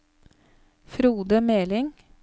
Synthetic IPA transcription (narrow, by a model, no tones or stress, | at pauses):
fɾuːd̪əmeːlɪŋ